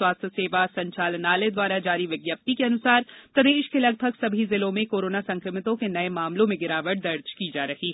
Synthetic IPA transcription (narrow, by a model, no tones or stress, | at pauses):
waːst̪ʰəseːʋasɐ̃ɲt͡ʃaːlnaːled̪waːɾad͡ʒaːɾiʋɪɡjəp̚t̪ikeɐnʊsaːɾp̪ɐd̪eːʃkelɐɡbʱəɡsɐbʱizɪlõmẽkoːɾoːnasɐ̃ŋkɾɪmɪt̪õkenɐemaːmlõmẽɡɪɾaːʋəʈ̚d̪ɐɾd͡ʒkid͡ʒaːɾɐɦi